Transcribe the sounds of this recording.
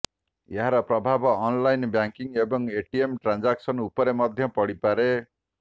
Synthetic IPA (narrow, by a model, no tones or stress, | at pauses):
jeɦaɾɔpɾɔbʱabɔːnlajnbjaŋkiŋebɔŋeʈiemʈɾand͡ʒaksʌnupɔɾemʌd̪ʱjʌpɔɽipaɾe